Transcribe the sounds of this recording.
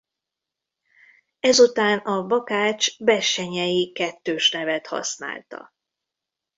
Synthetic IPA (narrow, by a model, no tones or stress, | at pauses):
ɛzut̪aːnɒbɒkaːt͡ʃbɛʃɛɲɛjikɛt̪ːøːʃnɛvɛt̪hɒ̰sna̰ːlt̪ɒ̰